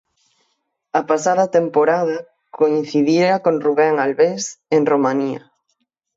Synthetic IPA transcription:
ɐpasaðɐt̪empoɾaðɐ | kʰoin̟θiðiakonruβɛŋalβesenromaniɐ̰

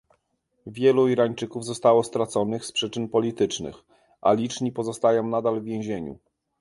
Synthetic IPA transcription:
vʲjɛluiɾaɲt͡ʂɘkuvzɔst̪awɔst̪ɾat̪sɔnɘxspʂɘt͡ʂɘnpɔlʲit̪ɘt͡ʂnɘ̰x | ʔa̰lʲit͡ʂɲipɔzɔst̪ajɔ̃nad̪alvʲjɛ̃w̃ʑeɲṵ

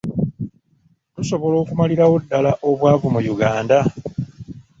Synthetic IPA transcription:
tuso̞βo̞lo̞ːkumaliɾawudːalaʔo̞βwaːvumujuɡaːnda

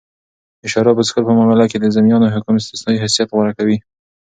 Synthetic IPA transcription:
ɪʃɑɾɑbəsɪ̥kəɾpəmaɣɑlaked̪əzamijɑnoɦʊkʊmɪst̪ɪsnɑwiɦasijat̪ɣwaɾakawi

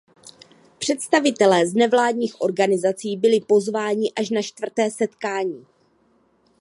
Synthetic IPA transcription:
pr̝̥ɛt̪st̪avɪt̪ɛlɛːznɛvlaːdɲiːxʔo̞ɾɡanɪzat͡siːbɪlɪpo̞zvaːɲɪʔaʃnat͡ʃt̪vr̩t̪ɛːsɛt̪kaːɲiː

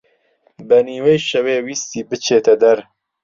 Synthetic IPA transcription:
bɐniːwɛjʃɐweːwiːst̪iːbɨt͡ʃʰeːt̪ʰɐd̪ɐɾ

